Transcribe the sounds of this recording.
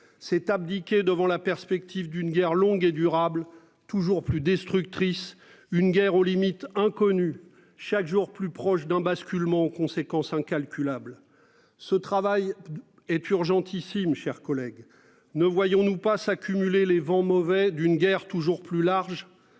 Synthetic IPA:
sɛt̪ab̚d̪ikʲed̪əvɑ̃lapɛʁspɛk̚t̪ʰivd̪ynɡʲɛʁlɔ̃ɡed̪yʁabl | t̪uʒuʁplyd̪ɛst̪χyk̚t̪χis | ynɡʲɛʁolimit̪ɛ̃kɔny | ʃakʒuʁplypχɔʃd̪ɛ̃baskʲylmɑ̃kɔ̃sekɑ̃sɛ̃kʲalkʲylabl | sət̪χavaj | ɛt̪yʁʒɑ̃t̪isimʃɛʁkɔlɛɡ | nəvwajɔ̃nupasakʲʰymylelevɑ̃mɔvɛd̪ynɡʲɛʁt̪uʒuʁplylaʁʒ

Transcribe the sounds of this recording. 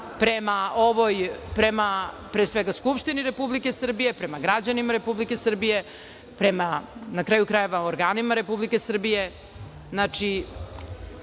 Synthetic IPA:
pɾemao̞ʋo̞jpɾe̞ma | pɾeːsʋeɡaskupʃt̪iniɾe̞publikesr̩bije̞pɾe̞maɡɾad͡ʑanimaɾe̞publike̞sr̩bije̞ | pɾe̞manakɾaːjukɾaje̞ʋaoɾɡaːnimaɾe̞publike̞sr̩bije̞ | znat͡ʃi

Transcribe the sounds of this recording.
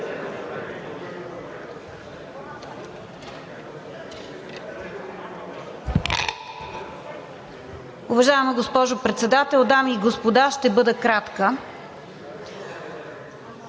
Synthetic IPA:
ʊvɐʒajɛmiɡospɔʒʊpɾɛt̪sɛd̪at̪ɛlˠd̪amiɡospod̪aʃt̪ɛbɤd̪əkɾat̪kə

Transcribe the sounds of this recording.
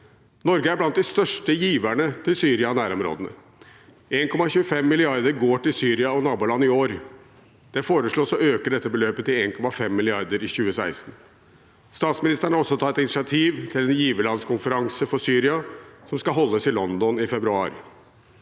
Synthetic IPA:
nɔɾɡəæblɑnt̪̚d̪ɪst̪œʂʈəjiːʋæɳət̪ʰɪlsyːɾɪɑnæːɾɔmɾo̰ːd̪ənə̰ | eːnkʰɔmɑçʉːəfɛmːɪlɪɑɾd̪əɾɡoːʈɪlsyːɾɪɑɔnɑːbuːlɑnːɪoːɾ | d̪̥ɛfoːɾəʂɭoːsɔøːkəɖɛt̪ːəbəløːpət̪ɪleːnkʰɔmɑfɛmːɪlɪɑɾd̪əɾɪçʉːəsæɪst̪n̩ | st̪ɑːt̪smɪnɪst̪əɳ̩ɾɔsːɔt̪ʰɑt̪ːɛt̪ɪnɪʂɪɑt̪ʰiːʋt̪ʰɪlɛnjiːʋəlɑnskʊnfəɾɑŋsəfɔsyːɾɪɑsɔmskɑɦɔlːəsɪlɔnd̪ɔnɪfɛbɾʉɑ̰ːɾ

